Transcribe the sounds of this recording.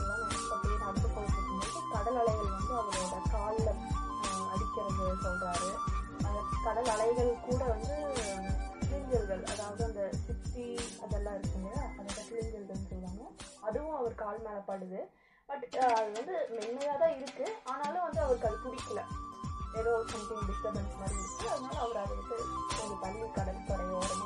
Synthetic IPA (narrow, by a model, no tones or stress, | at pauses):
ɐlːãːnɐm | ɐpːɐɽijk̪ɐɽt̪ːɯkːɔɭːɐt̪ːɾɯkːɯŋɡɐkːɐkɐɽɐlɐɭɐɪɣɐɭʋɐnd̪ɯɐðɐɾɐɾɐkaːllɐ | ɐ̰ɽɪkːɐɾɐmb̪ɯðpɔlɾaːɾɯɐnd̪ɐkɐɽɐlɐɭɐɪɣɐɭkuːɽɐʋɐnd̪ɯ | tɪɭɪɲd͡ʒɐlɣɐɭɐ̰ðaːʋɐðɯɐnd̪ɐsɪt̪ːiɐðɛlːãːɪɾɯkːɯŋɡɐɐðɛlːɐkɪlɪɲɡɐlɣɐnːɯsɛjʋaːŋɐɐðɯʋʊ̃ɐʋɐɾɯkaːlmɛːlɐpːaːɽɯðɯ | b̥ɐʈːɐðɯʋɐnd̪ɯmɛnːɐjaːðãːɪɾɯkːɯaːnaːlɯ̃ʋɐnd̪ɯɐʋɐɾɯkɐltʊɽɪkːɐlɐ | ɛðoːsɐmt̪ɪŋɖɪsʈɐbɛnmɐɾɪɯtːaɐðɯnaːlɐɐʋɐɾɐðɐʋɐnt̪ːɯɔɾɯpɐlʋikɐɽɐlpːɐɽɐjoːɐɾɐm